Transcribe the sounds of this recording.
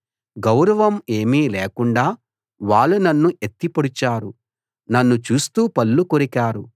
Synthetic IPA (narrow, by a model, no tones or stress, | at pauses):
ɡɐwɾɐʋɐme̞ːmiːleːkuɳɖaː | ʋaːɭːunɐnːuʔet̪ːipoɽit͡ʃaːɾu | nɐnːut͡ʃuːst̪uːpɐlːukoɾikaːɾu